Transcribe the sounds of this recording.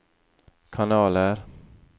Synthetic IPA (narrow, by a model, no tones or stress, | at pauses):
kʰanɑːləɾ